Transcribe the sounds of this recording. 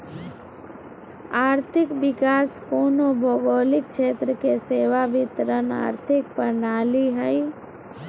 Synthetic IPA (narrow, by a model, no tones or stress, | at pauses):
aːɾt̪ʰɪkbɪkaːskoːnobʱoːɡoːlɪk̚t͡ʃʃeːt̪ɾəkeseːʋabɪt̪əɾəna̰ːɾt̪ʰɪk̚pəɾnaːliɦɛi